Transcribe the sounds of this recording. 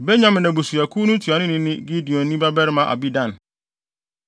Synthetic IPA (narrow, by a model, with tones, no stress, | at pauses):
be˦ɲã˦m̃˨nɛ̃˨bu˨su˨a˨kʰu˦nũ˦tʰu˨a˨nʊ̃˦nɪ̃˦nɪ̃˦ɡi˦di˨ɔ̃˨nĩ˦ba˦bɛ˦ɾɪ˦mã˨ʔa̰˨bi˦dã˦˨n